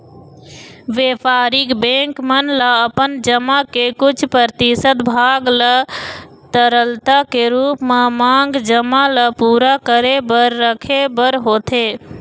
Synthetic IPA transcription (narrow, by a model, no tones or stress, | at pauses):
ʋeːpaːɾɪkbẽːŋkmənlaəpənd͡ʒəmakekʊt͡ʃʰpɾəɾt̪isət̪bʱaːɡlə | t̪əɾəlt̪akeɾuːpmamaːŋɡd͡ʒəmaləpuːɾakəɾebəɾːəkʰebəɾɦoːt̪ʰeː